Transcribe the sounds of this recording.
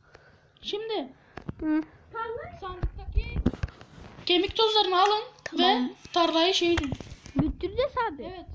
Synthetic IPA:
ʃimd̪ɪ | t̪ʰaɾlˠasand̪ɯk̚t̪akʲi | cʰemicʲd̪ozlˠaɾɯnalˠɯnvɛt̪ʰaɾlˠajɯʃejd̪ibyɾt̪ʰːyɾd̪ɛsaːd̪ievɛt̪

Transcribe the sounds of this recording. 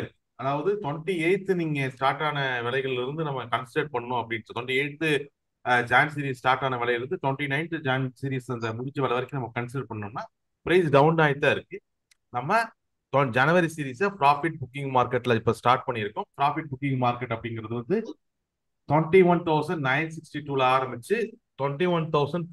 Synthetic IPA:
sɐɾi | ɐðaːʋɐðɯt̪ɔɳʈieːɻt̪ːɯniːŋɡɐsʈaːɾʈːaːnɐʋɪlɐɪɣɐɭɪɪɾɯnd̪ɯnɐmːɐkɐɳsɪɖɐʈ̚pɐɳːɐnʊ̃ɐpːɐɽɪnsɯt̪ɔɳʈieːɻt̪ːɯ | d͡ʒaːnsiːɾiːssʈaːɾʈːaːnɐʋɪlɐɪjlɪɾɯnd̪ɯt̪ɔɳʈinɐɪnʈ̪ɯd͡ʒaːnsiːɾiːsɐnd̪ɐmʊðɪt͡ʃːɐʋɛlɐʋɐɾɐɪkːɯnɐmːɐkɐnsɪɖɐɾ̚pɐɳɐnʊmnːaː | pɪɾɐɪsɖɐʊɳɖaːjɪt̪ːaːɪɾɯkːɯ | nɐmːɐ | t̪ɔnd͡ʒɐnɯʋɐɾisiːɾiːsɐfɾaːfɪʈ̚bʊkːɪ̃ŋɡmaːɾkɐʈːlɐɪpːosʈaːɾʈ̚pɐɳːɪɪɾɯkːʊ̃pɾaːfɪʈ̚bʊkːɪ̃ŋmaːɾkɐʈːɐpːɐɽɪŋɡɪɾɐðɯʋɐnd̪ɯ | t̪ɔɳʈiʋɐnt̪ɐʊsɐ̃ɳɖnɐɪnsɪksʈiʈuːlaːɾɐmbɪt͡ʃːɯt̪ɔɳʈiʋɐnt̪ɐʊsɐɳɖ

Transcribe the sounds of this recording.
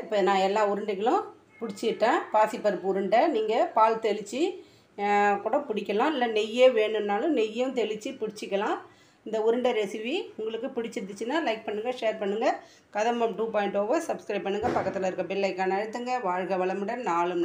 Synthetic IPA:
ɐɾpːɯnãːɛlːãːʊɾɯɳɖɐkːɐlʊ̃ | pʊɽɪt͡ʃːɪɪʈːẽːpaːsipːɐɾɯpːɯʊɾɯɳɖɐniːŋɡɐpaːlt̪ɛlɪt͡ʃːi | kuːɽɐpʊɽɪkʲːɐlãːɪlːɐnɛjeːʋeːɳɯnnːaːlʊ̃nɛjjʊ̃t̪ɛlɪt͡ʃːipʊɽɪt͡ʃːɪkʲːɐlãː | ɪnd̪ɐʊɾɯɳɖɐɾɛsɪʋiʊŋɡɐɭɯkːɯpɪɽɪt͡ʃːɪɾɯt̪ːɯt͡ʃːɯnːãːlɐɪk̚pɐɳːɯŋɡɐʂeːɾpɐɳːɯŋɡɐ | kɐðɐmɐmʈuːpaːjɪɳʈoːʋɐsɐbskɾɐɪpːɐɳːɯŋɡɐpɐkːɐt̪ːɪlɐɪɾɯkːɐpɪlːɐɪkːaːnɐɐɻɯt̪ːɯŋɡɐʋaːɻɣɐʋɐɭɐmɪɽɐnaːɭɯm

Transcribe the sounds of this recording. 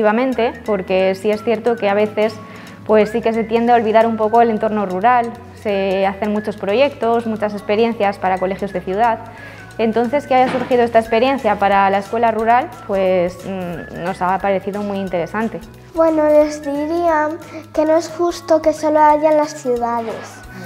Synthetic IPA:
t̪iβamẽnt̪e̞po̞ɾke̞sie̞sθjeɾt̪o̞ke̞aβ̞e̞θe̞s | pwe̞sːike̞s̬e̞t̪je̞nd̪eao̞lβiðaɾumpo̞ko̞ele̞nt̪o̞ɾno̞ruɾal | se̞aθe̞nmut͡ʃo̞spɾo̞ʝe̞k̚t̪o̞smut͡ʃase̞spe̞ɾje̞nθjaspaɾako̞le̞xjo̞zðe̞θjuð̞að | ent̪o̞n̟θe̞skeajasuɾxiðoe̞st̪aespe̞ɾje̞n̟θjapaɾalaeskwelaruɾalpwe̞sno̞sapaɾe̞θiðo̞mwiint̪e̞ɾe̞sant̪e̞ | bwe̞nole̞zðiɾiake̞noesxust̪o̞ke̞so̞loaʝanlasθjuðaðes

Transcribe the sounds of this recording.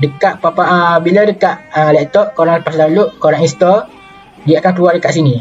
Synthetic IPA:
dəkaʔpapaʔbiladəkaʔəlɛʔt̪ɔʔkoɾaŋpasd̪aluʔkoɾaŋĩnst̪ɔ | diaʔakankəluardəkaʔs̬ini

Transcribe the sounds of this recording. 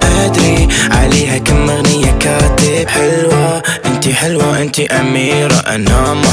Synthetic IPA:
ʔad̪ɾiʕa̰leːhakamːaɣnɪjːakaːt̪ɪbħɪlwaʔɪnt̪iħɪlwaʔɪnt̪iʔamiːɾˤaʔa̰naːma

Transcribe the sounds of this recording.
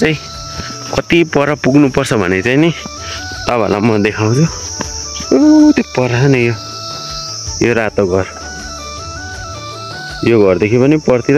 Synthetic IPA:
t͡saĩ | kʌt̪ipʌɾʌpuɡnupʌrt͡sʰʌbʱʌ̰net͡saini | t̪ʌba̰lamʌd̪ekʰaw̃ɾo | obʌlamʌt̪ipʌɾʌɦnejo | joɾat̪oɡʱʌr | joɡʌrd̪ekʰipʌnipʌrt̪iɾ

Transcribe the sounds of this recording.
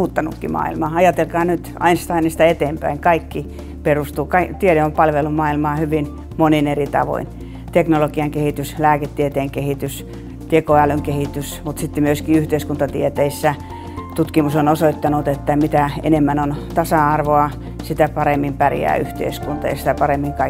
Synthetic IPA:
uːt̪ːɑnṵkːḭmɑ̰ːḭlmɑːɑjɑt̪elkɑːnyt̪ɑ̰inst̪ɑinɑst̪æet̪eːmpæ̰iŋkɑikːi | perust̪uːkɑit̪ieɾeompɑlʋelumɑːilmɑːhyʋin | moninerit̪ɑ̰ʋo̰in | t̪eknolokiɑŋkehit̪yslæːket̪ːiet̪eːŋkehit̪ys | t̪ekoælyŋkehit̪ysmut̪sit̪ːemyøskiyht̪eiskunt̪ɑt̪iet̪eisːæ | t̪ut̪kimusonosoit̪ːɑnut̪et̪ːæmit̪æḛnemːænont̪ɑsɑɑrʋoɑ | sit̪æpɑremːimpærḭjæ̰ːy̰ht̪ḛiskunt̪ɑ̰jɑ̰si̥t̪æpɑremːiŋkɑi

